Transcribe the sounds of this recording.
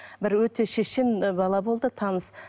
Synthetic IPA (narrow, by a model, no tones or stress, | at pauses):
bɪɾwɵt̪e̞ʃeʃɪnbɑlˠɑbo̞lˠd̪ət̪ʰɑnəs